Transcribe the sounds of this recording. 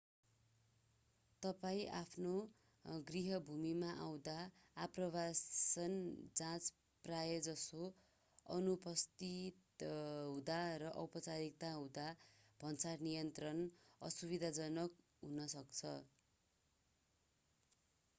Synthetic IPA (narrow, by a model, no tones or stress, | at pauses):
t̪ʌpaĩʔapʰno | ɡriɦʌbʱumimaʔaw̃d̪aːprʌbassʌnd͡zãt͡s | prajʌd͡zʌso | ʌ̰nupʌst̪it̪ɦũd̪arʌʔʌwpʌt͡saɾik̚t̪aɦũd̪ab̥ʱʌnt͡sarnijʌnt̪rʌnʌ̰subid̪ʱad͡zʌnʌk | ɦunʌsʌkt͡sʰʌ